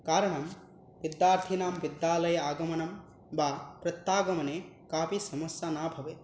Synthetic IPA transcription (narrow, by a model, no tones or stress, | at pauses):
kaːɾɐɳɐm | ʋid̪jaːɾt̪ʰinaːmʋid̪jaːlɐjɐaːɡɐmɐnɐm | baːpɾɐt̪ːaːɡɐmɐneːkaːpisɐmɐsjaːnaːbʱɐʋeː